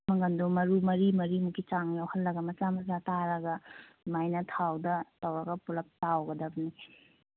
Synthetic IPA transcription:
mɐŋɡɐndomɐɾumɐɾimɐɾimukit͡ʃaŋjawhɐlːɐɡɐmɐt͡ʃamɐt͡ʃataɾɐɡɐ | majnɐtʰawdɐtɐwɾɐɡɐpulɐp̚tawɡɐdɐbɐni

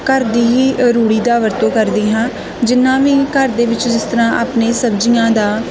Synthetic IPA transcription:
kəɾd̪iːɦiːɾuːɽiːd̪aːʋəɾt̪õːkəɾd̪iːɦãː | d͡ʒɪnːãːʋiːkəɾd̪eːʋɪt͡ʃd͡ʒɪst̪əɾãːʔaːpneːsəbd͡ʒiːãːd̪aː

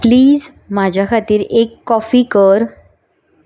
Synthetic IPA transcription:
pliːd͡z | mad͡ʑʱjakʰat̪iːɾekːɔfiːkəɾ

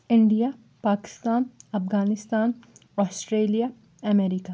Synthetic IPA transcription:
ɪ̃ɳɖija | paːkɪ̥st̪aːnɐfɡaːnɪst̪aːnɔːsʈɾeːlija | ɐmɛːɾika

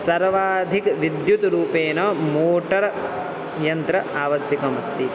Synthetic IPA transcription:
sɐɾʋaːd̪ʱikʋid̪jut̪ɾuːpeːnɐːmoːʈɐɾɐ | jɐnt̪ɾɐʔaːʋɐsjɐkɐmɐst̪i

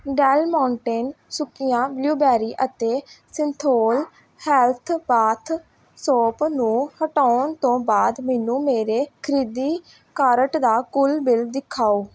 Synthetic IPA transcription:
ɖɛːlmaːʊɳʈeːnsʊkːɪjãːbljuːbɛːɾiːʔət̪eːsɪnt̪ʰoːl | hɛːlt̪ʰbaːt̪ʰ | soːpnũːhəʈaːɳt̪õːbaːd̪mɛːnũːmeːɾeːkʰəɾiːd̪iː | kaːɾəʈd̪aːkʊlbɪld̪ɪkʰːaːoː

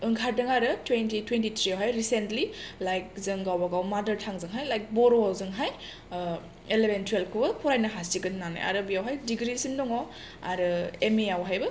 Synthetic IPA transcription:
ɯŋkʰaɾdɐŋaɾɯtwentitwentitʰɾiawɦajɾisentlilajk̚zɯŋɡawbɐɡawmadɐɾtʰaŋzɯŋɦajlajk̚bɔɾɔawzɯŋɦaj | elebentʰwelkʰɯbɐpʰɔɾajnɐɦasiɡɯnnana̰jʔa̰ɾɐbijawɦajdiɡɾisindɔŋɔ | a̰ɾɯemejawɦajbɐ

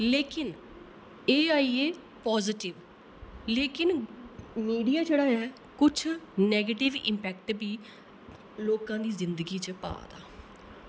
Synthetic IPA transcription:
leːkɪn | eːaːiːeː | pɔːzɪʈɪʋ | leːkɪn | miːɖijaːd͡ʒeːɽaːɛː | kʊt͡ʃʰnɛːɡeʈɪʋɪ̰̃mpɛːkʈbʱiː | loːkãːd̪iːzɪnd̪əɡiːt͡ʃəpa̰ːd̪a̰ː

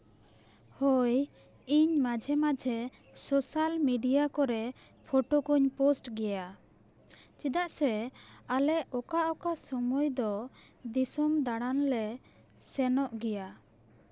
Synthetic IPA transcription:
hɔj | iɲmad͡ʒʱɛmad͡ʒʱɛ | sɔsalmiɖijakɔɾɛ | pʰoʈokuɲposʈɡɛja | t͡ʃid̪aʔsɛalɛɔkaʔɔkasɔmɔjd̪ɔd̪isumd̪aɽanlɛ | sɛnɔʔɡɛja

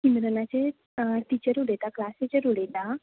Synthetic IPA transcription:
kinɾənat͡ɕe | t̪it͡ɕəɾuɽet̪aklaːset͡ɕeɾuɽet̪a

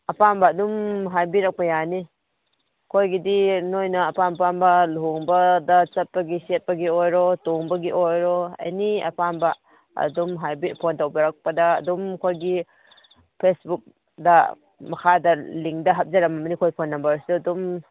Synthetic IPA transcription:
ɐpambɐːdumɦajbiɾɐk̚pɐjani | kʰojɡidinojnɐːpanpanbɐluuŋbɐdɐt͡ʃɐt̚pɐɡiset̚pɐɡiojɾɔtuŋbɐɡiʔojɾɔɐ̰jniɐ̰panbɐ | ɐ̰dumɦajbipʰontawbɐɾak̚pɐdɐ̰ːdumkʰojɡi | pʰesbuk̚ | dɐ | mɐkʰadɐliŋkdɐɦɐp̚zɐɾɐmɐmnikʰojpʰonːɐmbɐɾsudum

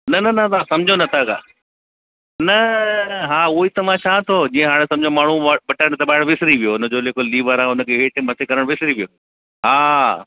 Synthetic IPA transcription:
nɐnɐnɐt̪ãsɐmd͡ʑʱonɐt̪ʰaka̰ː | nɐɦaːuːɦit̪ɐʋãʃaːt̪ʰoːd͡ʑĩːə̃ɦaːɽ̃esɐ̃md͡ʑʱõmaːɳ̤ũʋɐʈaɽ̃d̪ɐbaːɪɽ̃ʋɪsɾiʋijoʊnə̆d͡ʑoːleːkoliːʋəɾãːʊnə̆kʰeːɦeːʈɪmɐt̪ʰekɐɾəɽ̃ʋɪsɾiʋijo | ɦaː

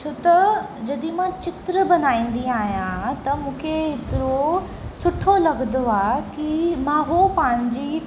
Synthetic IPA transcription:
t͡ɕʰoːt̪ɐd͡ʑɐɗĩmãt͡ɕɪt̪ɾəbɐnaːĩːn̆d̪iaːɦijãt̪ɐmũːkʰeɦɪt̪ɪɾo | sʊʈʰolɐɡnd̪oaːkimãːɦopɐ̃ɦɪ̃ɲd͡ʑi

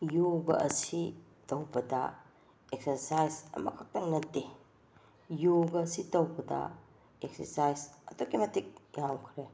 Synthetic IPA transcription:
joɡɐ̰ʔɐ̰si | tɐwbɐdɐ̰ | ek̚sʰɐɾsajsɐ̰mɐkʰak̚tɐnːɐtːe | joɡɐsitɐwbɐdɐ̰ | ek̚sɐ̰ɾsajsɐtokemɐtik̚jawkʰɾe

